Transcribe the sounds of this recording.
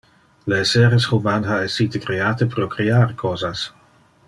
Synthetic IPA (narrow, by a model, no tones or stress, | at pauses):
lesɛɾesχuvanhaesit̪ekɾeaːt̪əpɾokɾeaɾkʰɔːzas